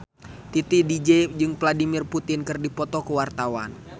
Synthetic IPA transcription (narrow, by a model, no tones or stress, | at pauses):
t̪it̪idid͡ʒɛd͡ʒɨŋpladimɪrput̪ɪnkɨrdipɔt̪ɔkəwart̪awan